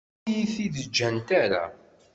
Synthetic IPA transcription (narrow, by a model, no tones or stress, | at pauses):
jiθiðəd͡ʒːənt̪æɾæ̰